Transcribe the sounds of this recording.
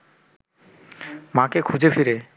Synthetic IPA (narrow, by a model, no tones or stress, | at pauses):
mãkekʰud͡ʑefiɾe